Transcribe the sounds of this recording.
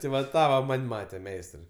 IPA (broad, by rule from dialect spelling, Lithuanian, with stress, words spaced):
tʲɪ ʋɐ ˈtɑː ʋɐ ˈmɐnʲ ˈmɑːtʲɛ ˈmʲɛɪstrɐɪ